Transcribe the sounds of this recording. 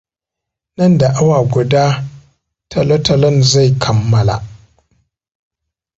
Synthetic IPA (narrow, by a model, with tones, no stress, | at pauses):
nɐ˦˨nda˨ʔa˦waː˨ɡʷʊ˨daː˦ | tʰɐ˨lo˦tɐ˨lɐ˦nza˦˨jkʰɐ˨mːɐ˦la̰˨